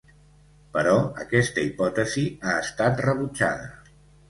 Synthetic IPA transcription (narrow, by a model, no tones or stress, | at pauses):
pəɾɔəkɛst̪əipɔt̪əziaəst̪at̪rəβ̞ut͡ʃa̰ðə